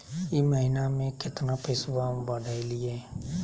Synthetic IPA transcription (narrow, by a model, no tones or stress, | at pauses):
iməɦinamẽkʰet̪nãːpʰɪsʋaːbaːɖaːilɪɛː